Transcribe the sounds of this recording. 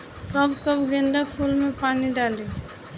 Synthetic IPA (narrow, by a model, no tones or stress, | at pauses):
kəbkəbɡẽnd̪apʰulmẽpaːniɖaːle